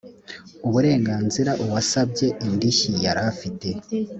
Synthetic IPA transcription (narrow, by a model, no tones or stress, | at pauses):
uβuɾe̞ːŋɡaːnziɾaʔuβasab̚ɟe̞ʔindiçijaɾafite̞